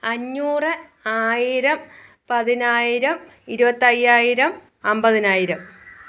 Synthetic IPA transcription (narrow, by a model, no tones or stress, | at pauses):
ɐɲːuːrɨ | aːjiɾɐm | pɐðinaːjiɾɐm | iɾubɐt̪ːɐjːaːjiɾɐm | ɐmbɐðinaːjiɾɐm